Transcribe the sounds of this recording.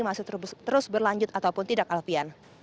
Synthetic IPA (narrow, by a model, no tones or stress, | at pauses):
imasʊt̪əɾʊsbərlaɲd͡ʒʊt̪at̪awpʊnt̪idakalfian